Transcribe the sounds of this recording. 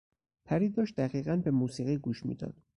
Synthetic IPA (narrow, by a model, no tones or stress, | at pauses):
pʰæɾiːd̪ɒʃd̪æɣiːɣænbe̞muːsiːɣiːɡuːʃmḭːd̪ɒ̰d̪̥